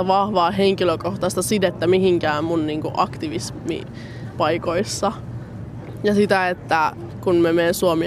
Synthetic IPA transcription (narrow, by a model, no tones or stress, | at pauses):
æʋɑhʋɑːɦeŋkiløkoht̪ɑst̪ɑsid̪et̪ːæmihiŋkæːmmunniːŋkṵʔɑkt̪iʋismḭ | pɑikoisːɑ | jɑsit̪æet̪ːækunmemeːnsuomi